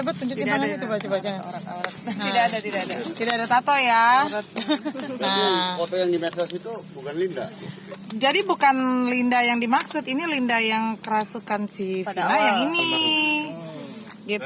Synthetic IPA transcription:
abət̪̚puɲd͡ʒut̪imaŋnit̪ubat͡ʃabad͡ʒao̰ɾatoɾat̪idaːdat̪idaadat̪idaadat̪at̪ɔjat̪d͡ʒaiŋskot̪ɔjaŋdimet̪ɾasit̪ubukanlinda̰ | d͡ʒadibukanlindajaŋdimaksʊt̪inilindajaŋkəɾasukansifnajaŋini | ɡit̪

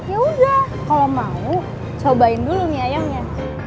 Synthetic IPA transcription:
jauda | kalomau | t͡ʃobaɪndulʊmiajaŋɲa

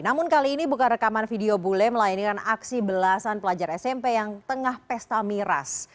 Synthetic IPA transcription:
namʊnkaliːnibukanrəkamanfideobulɛməlajankanaksibəlasanpəlad͡ʒaɾɛsɛmpejaŋt̪əŋahpɛst̪amiɾa̰s

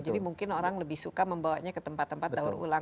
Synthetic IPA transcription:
d͡ʒadimuŋkɪnoɾaŋləbɪhsukaməmbawaɲakət̪əmpat̪ːəmpat̪̚dauɾṵla

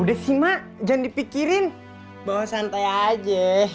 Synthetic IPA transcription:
udɛhsimaʔ | d͡ʒaŋdipikiɾɪn | bawasant̪aad͡ʒɛ

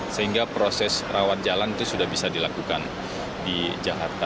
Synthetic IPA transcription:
səɦiŋɡapɾosɛsrawan̚d͡ʒalanit̪usudahbisadilakukan | did͡ʒakart̪a

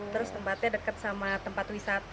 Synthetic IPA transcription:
t̪əɾʊst̪əmpat̪̚ɲadəkat̪̚samat̪əmpat̪wisat̪

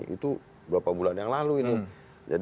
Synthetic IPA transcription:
ʔḭt̪u | bəɾapabulanjaŋlaluini | d͡ʒa̰d

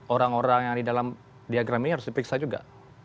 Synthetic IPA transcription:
oɾaŋoɾaŋjaŋdidalam | diaɡɾamihaɾʊsdipɾiksad͡ʒuɡa̰

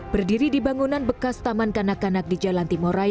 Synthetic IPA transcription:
b̥ərdiɾidibaŋunanbəkast̪amankanakanak̚did͡ʒalant̪imoɾa

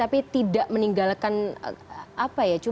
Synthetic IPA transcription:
apit̪idaʔməniŋɡalkan̰ | ʔapajat͡ʃu

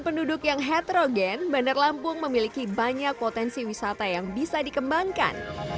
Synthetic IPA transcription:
npəndudʊkjaŋɦɛt̪ɾoɡɛnbanarlampʊŋməmilikibaɲak̚pot̪ɛnsiwisat̪ajaŋbisadikəmbaŋka̰n

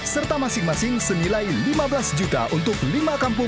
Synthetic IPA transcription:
sərt̪amasɪŋmasɪŋsənilajlimabəlasd͡ʒut̪a̰ʔunt̪ʊklimakampʊ

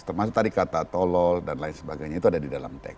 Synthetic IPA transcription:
t̪ərmas̬ʊk̚t̪adikat̪at̪ɔlɔldanlaɪnsəbaɡajɲait̪uadadidala̰mt̪ɛ̰k

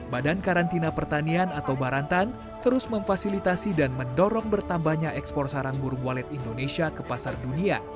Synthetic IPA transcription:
badankaɾant̪inapərt̪anianat̪awbaɾant̪an | t̪əɾʊsməɱfasilit̪asidanməndɔɾɔŋbərt̪ambahɲaʔɛkspɔrsaɾaŋbuɾuŋwalɛt̪indonesiakəpasardunia

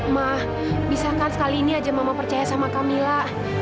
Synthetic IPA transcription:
mah | bisakansə̥kaliːniad͡ʒamamapərt͡ʃajasamakamilaʔ

